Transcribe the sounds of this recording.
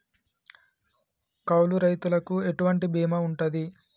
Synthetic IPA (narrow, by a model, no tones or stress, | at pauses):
kɐwluɾɐjt̪ulɐkue̞ʈuʋɐɳʈibiːmɐuɳʈɐd̪i